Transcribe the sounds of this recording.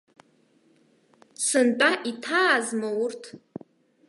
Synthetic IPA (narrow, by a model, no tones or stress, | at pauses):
sɨntʼaʔitʰaːzmowʊrtʰ